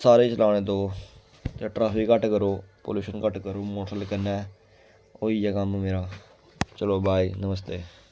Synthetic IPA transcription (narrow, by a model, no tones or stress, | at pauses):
saːɾeːt͡ʃəlaːɽ̃ẽːd̪oː | t̪eʈɾaːpʰikːəʈkəɾoːpo̰ːluːʃənkəʈkəɾoːmoːʈəlkəɾnɛː | oːiːɛːkəmmeːɾaː | t͡ʃəloːbaːiːnəməs̬t̪eː